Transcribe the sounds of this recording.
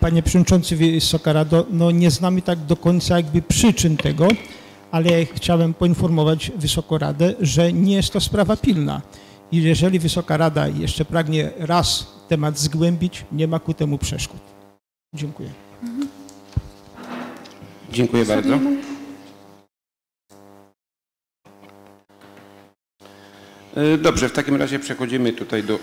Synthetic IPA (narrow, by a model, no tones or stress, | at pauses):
paɲɛpʂɛvɔd̪ɲit͡ʂɔnt̪sɘvsɔkaɾad̪ɔnɔɲɛznamɘt̪aɡd̪ɔkɔɲt̪sajaɡ̚bɘpʂɘt͡ʂɘnt̪ɛɡɔ | alɛxt͡ɕawɛmpɔinfɔɾmɔvad͡ʑvɘsɔkɔɾa̰d̪ɛʐɛɲɛjɛst̪ːɔspɾavapʲilna̰ | ijɛʐɛlʲivɘsɔkaɾad̪a̰jɛ̰ʂt͡ʂɛpɾaɡɲɛɾast̪ɛmad̪zɡwɛmʲbʲit͡ɕɲɛmakut̪ɛmupʂɛ̰ʂkut̪ | d͡ʑɛŋkujɛ̰ | d͡ʑɛŋkujɛbaɾd̪zɔ | d̪ɔbʐɛft̪akʲimɾa̰ʑɛpʂɛxɔd͡ʑimɘt̪ut̪ajd̪ɔ